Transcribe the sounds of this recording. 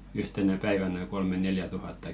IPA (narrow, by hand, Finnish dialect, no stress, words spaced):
yhtenæ pæiʋænæ kolme neljæ tuhɑtːɑ